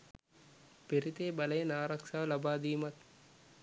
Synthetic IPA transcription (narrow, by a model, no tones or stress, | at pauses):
peɾit̪eːbɐlɐjɐnaːɾɐkʂaːʋlɐbaːd̪iːmɐt̪̚